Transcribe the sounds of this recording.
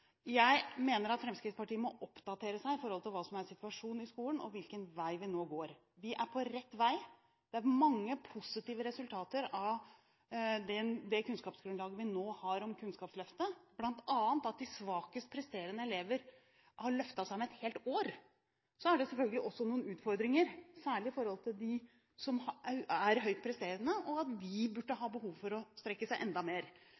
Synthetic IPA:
jæɪmeːnəɾɑt̪fɾɛmskɾɪspɑʈiːəmɔʔɔpd̪ɑt̪ʰeːɾəsæɪɪfɔɾhɔlt̪ʰɪlʋɑːsɔmæɾsɪt̪ʉɑʂuːnɪskuːlənɔ̰ʋɪlkənʋæɪʋɪnoːɡoːɾ | ʋɪʔæɾpʰɔɾɛt̪ːʋæɪ | d̪̥ɛæɾmɑŋːəpʰʊsɪt̪iːʋəɾɛsʉlt̪ʰɑːt̪əɾɑʋ | d̪ɛd̪ɛkʉnskɑːpsɡɾʉnlɑːɡəʋɪnoːhɑɾɔmkʰʉnskɑːpslœft̪əb̥lɑnt̪ʰɑːənt̪ɑt̪̚d̪ɪsʋɑːkəst̪̚pʰɾɛst̪eːɾənəɛleːʋəɾ | hɑɾɭœft̪ɑsæɑmɛt̪heːlt̪oːɾ | sɔæɖɛsɛlfœlɡəlɪʔɔsːɔnuːənʉːt̪fɔɾd̪ɾɪŋəɾsæːɭɪɪfɔɾhɔlˠt̪ʰɪld̪ɪ | sɔmæɾɦœʏt̪̚pʰɾɛst̪eːɾənəʔɔɑt̪̚d̪ɪbʉɖːəɦɑːbəɦuːʋfɔɾɔst̪ɾɛkːəsæɪʔɛnd̪ɑmeːɾ

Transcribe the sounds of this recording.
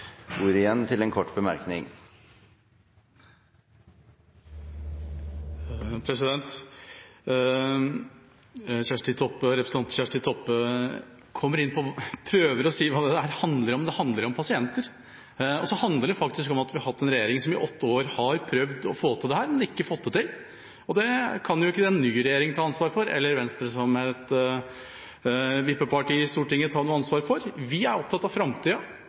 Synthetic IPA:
uːɾɪjɛnːt̪ʰɪlɛnkʰɔʈːbəmæɾknɪ̰ŋ | pʰɾɛsɪd̪ɛnt̪ | ɕæʂʈɪt̪ʰɔpːəɾɛpɾəsnʰɑnɕæʂʈɪt̪ʰɔpːə | kʰɔmːəɾɪnpʰɔpʰɾøːʋəɾɔsiːʋɑːd̪ɛæɾhɑnd̪ləɾɔmd̪ɛhɑnd̪ləɾɔmpʰɑsɪɛnt̪əɾ | ɔsɔhɑnd̪ləɖɛfɑkt̪ɪskɔmɑt̪ʋɪhɑɾɦɑt̪ːɛnɾɛjeːɾɪŋsɔmɪ̰ʔɔt̪ːəoːɾhɑɾpʰɾœʋd̪ɔ̰foːt̪ʰɪld̪ɛhæːɾmɛnɪkːəfɔt̪ːət̪ɪl | ɔd̪ɛkʰɑnjʊɪkːəd̪ɛnːyːɾɛjeːɾɪŋt̪ʰɑːɑnsʋɑːɾfɔɾɛ̰lːəɾʋɛnst̪ɾəsɔmɛt̪ | ʋɪpːəpɑʈiːɪst̪uːʈɪŋːət̪ʰɑːnuːɑnsʋɑːɾfɔɾʋɪæɾɔp̚t̪ʰɑt̪ːɑʋfɾɑmt̪ʰiːɑ

